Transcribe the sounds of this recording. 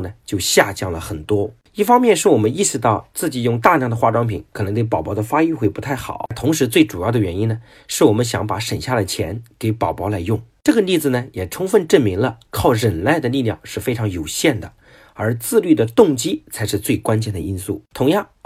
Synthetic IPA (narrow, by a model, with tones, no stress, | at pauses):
nə˩t͡ɕjo˥˧ʊɕja˥˧t͡ɕjɑ˥˩ŋlə˩xə˨˩nt̪wɔ˥ | i˥˩fɑ˥ŋmjɛ˥˧nʂɻ̩˥˩wɔ˨˩mə˧˦ni˥˩˧ʂɻ̩˧t̪ɑ˥˧ʊt͡sɹ̩˥˩t͡ɕi˨˩jʊ˥˧ŋt̪a˥˧ljɑ˥˩ŋd̪ə˩xwa˥˧ʈ͡ʂwɑ˥ŋpʰḭ˨˥˦nkʰn˧˥ŋt̪we˥˩ɪpɑ˨˩ʊpɑ˧˥ʊd̪ə˧fa˥y˥˧xwe˥˩ɪpu˧˥t̪ʰa˥˩ɪxɑ̰˨˩˦t̪ʰʊ˧˥ŋʂɻ̩˧˥t͡swe˥˩ɪʈ͡ʂu˨˩jɑ˥˩ʊd̪ə˩ɥɛ˧˥ni˥nnə˨ | ʂɻ̩˥˩wɔ˨˩mə˦nɕjɑ̰˧˥ŋpa˧˥ʂə˨˩nɕja˥˩lə˩t͡ɕʰjɛ̰˧˥nke˨˧˥ɪpɑ˨˩ʊpɑ˧˥ʊla˧˥ɪjʊ˥˩ŋʈ͡ʂɤ˥˩ɡə˩li˥˩d͡zɹ̩˩nə˩jɛ˨˩ʈ͡ʂʰʊ˥ŋfə˥˧nʈ͡ʂə˥˩nmi˧˥ŋlə˧kʰɑ˥˩ʊɻə˨˩nle˥˩ɪd̪ə˩li˥˧ljɑ̰˥˩ŋʂɻ̩˥˩fe˥ɪʈ͡ʂʰɑ˧˥ŋjo˨˩ʊɕjɛ˥˩nd̪ə˩ | ə˞˧˥t͡sɹ̩˥˧ly˥˩d̪ə˩t̪ʊ˥˩ŋt͡ɕi˥t͡sʰa˧˥ɪʂɻ̩˥˧t͡swe˥˩ɪkwa˥nt͡ɕjɛ˥˩nd̪ə˩i˥nsṵ˥˩t̪ʰʊ˧˥ŋjɑ˥˩ŋ